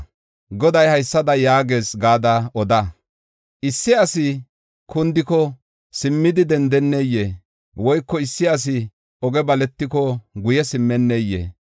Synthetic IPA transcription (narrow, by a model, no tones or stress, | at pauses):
ɡɔd̪ɐjhɐjsːɐd̪ɐjaːɡe̞ːsɡaːd̪ɐʔɔd̪ɐ | ʔɪsːɪɐsɪ | kʊnd̪ɪkɔ | sɪmːɪd̪ɪd̪ɛnd̪ɛnːejːeː | wɔjkːɔɪsːɪɐs̬ɪ | ɔɡɛbɐlɛt̪ːɪkɔɡʊjɛsɪmːɛnːeːjːḛː